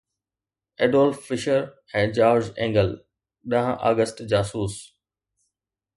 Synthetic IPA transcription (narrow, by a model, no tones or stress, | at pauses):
ɛːɖɔːlffɪʃəɾ | ɛ̃ːd͡ʑaːɾd͡ʑɛ̃ːŋɡəl | ɗɐɦʔa̰ːɡəsʈd͡ʑaːsuːs